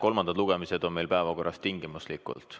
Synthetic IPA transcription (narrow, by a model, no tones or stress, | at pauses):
ko̞lmɑnd̪̥ɑd̪luɡ̥emise̞d̪̥o̞nme̞jlpæevɑko̞rːɑst̪iŋɡ̥imuslikˑṵlt̪ˑ